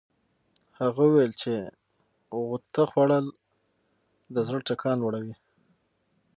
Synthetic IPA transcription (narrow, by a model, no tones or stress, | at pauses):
haɣawwelt͡ʃe | ɣʊt̪axwaɽəl | d̪əzəʈakʰɑnwaɽawi